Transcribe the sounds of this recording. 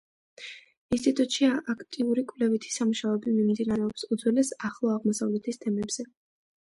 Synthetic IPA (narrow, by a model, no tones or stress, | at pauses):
inst̪ʼit̪ʼut̪ʼʃiaʔakʰt̪ʼiuɾikʼvlɛvit̪ʰi̥samuʃaɛbimimd̪inaɾɛɔpsud̪zwɛlɛsaχlˠɔaʁmɔsavlɛt̪ʰist̪ʰɛmɛbz̥ɛ